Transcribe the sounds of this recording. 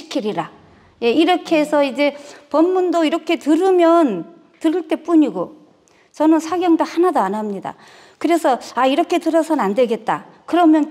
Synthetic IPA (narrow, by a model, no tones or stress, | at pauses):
i̥kʰiɾiɾa | je̞iɾʌkʰesʰʌid͡ʑe̞pʌmːundoiɾʌkʰe̞tɯɾɯmjʌn | tɯɾɯɭt͈e̞p͈uɲiɡo | t͡ɕʌnɯnsʰaɡjʌŋdohanadoanɦamɲida̰ | kɯɾe̞sʰʌaiɾʌkʰe̞tɯɾʌsʰʌnɯnande̞ɡe̞t̚t͈a | kɯɾʌmjʌn